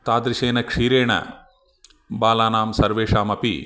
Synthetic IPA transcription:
t̪aːd̪ɾiʃeːnɐkʂiːɾeːɳɐ̰ | baːlaːnaːmsɐɾʋeːʂaːmɐpḭ

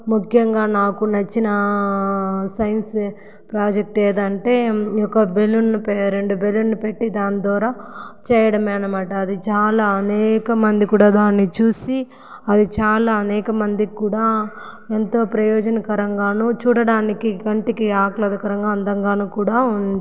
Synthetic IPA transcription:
mukʰjɐŋɡaːnaːkunɐt͡ʃːinɐ | sɐjns | pɾaːd͡ʒek̚ʈeːd̪ɐɳʈe̞ːɔkɐbe̞lːunːipeːɾeɳɖube̞lːunːipe̞ʈːid̪aːnid̪ʋaːɾaːt͡ʃɛːjɐɽɐmɛːnɐmaːʈɐːd̪it͡ʃaːlaːɐnɛːkɐmɐnd̪ikuːɽaːd̪aːnːit͡ʃuːsi | ɐd̪it͡ʃaːlaːɐnɛːkɐmɐnd̪ikuːɽaː | ent̪o̞ːpɾɐjɔːd͡ʒɐnɐkɐɾɐŋɡaːnut͡ʃuːɽɐɽaːnikikɐɳʈikiaːklɐd̪ɐkɐɾɐŋɡaːɐnd̪ɐŋɡaːnuːkuːɽaːundd̪i

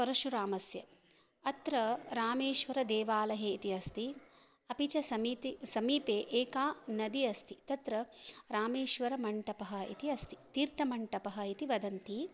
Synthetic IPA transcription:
pɐɾɐʃuɾaːmɐsjɐ | ɐt̪ɾɐɾaːmeːʃʋɐɾɐd̪eːʋaːlɐɦeːit̪iɐst̪i | ɐpit͡ʃɐsɐmit̪isɐmiːpeːʔeːkaːnɐd̪iɐst̪ʰi̥t̪ɐt̪ɾɐɾaːmeːʃʋɐɾɐmɐɳʈɐpɐɦɐ̆ḭt̪iɐst̪i̥t̪iːɾt̪ɐmɐɳʈɐpɐɦɐit̪iʋɐd̪ɐnt̪i

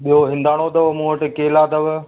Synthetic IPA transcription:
ɓiɦoɦɪ̃nd̪aːɽ̃od̪ɐʋmũːəʈɪkeːlaːd̪ɐʋ

